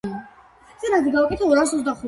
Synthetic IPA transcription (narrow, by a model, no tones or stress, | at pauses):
ɛsɛɾaziɡaukʼɛt̪ʰɛɔɾaɾs̬ɔzd̪aχu